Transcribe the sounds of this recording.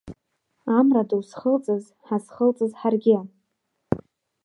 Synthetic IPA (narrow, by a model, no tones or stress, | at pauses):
amradɨwsχəlt͡sʼɨz | ħasχəlt͡sʼɨzħarɡʲɪa